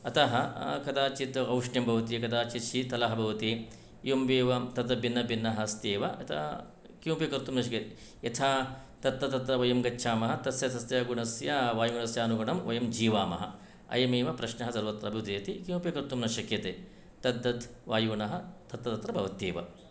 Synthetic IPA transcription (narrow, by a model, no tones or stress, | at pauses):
ɐt̪ɐɦɐkɐd̪aːt͡ʃit̪ɐɐwʂɳjɐmbʱɐʋɐt̪ikɐd̪aːt͡ʃiʃit̪ɐlɐɦɐbʱɐʋɐt̪i | jomʋeːʋɐt̪ɐd̪ɐbinːɐbinːɐɦɐst̪eːʋɐɐt̪ʰɐ̰ | kjuːpjikɐɾt̪umnɐʃ̬ɐkjɐt̪e | jɐt̪ʰaː | t̪ɐt̪ːɐt̪ɐt̪ɾɐʋɐjɐmɡɐt͡ʃːʃʰaːmɐɦɐt̪ɐsjɐsɐst̪jɐɡuɳɐsjɐʋaːjuɳɐsjaːnuɡɐɳɐmʋɐjɐmd͡ʒiːʋaːmɐ̰ɦɐ̰ | ɐ̰jɐmeːʋɐpɾɐʃnɐɦɐsɐɾʋɐt̪ɾɐbʱiud̪eːɐt̪ikjũːpjɐkɐɾt̪umnɐʃɐkjɐt̪eː | t̪ɐd̪ːɐt̪ʋaːjuːɳɐɦɐt̪ɐt̪ːɐt̪ɐt̪ɾɐbʱɐʋɐt̪eːʋɐ̰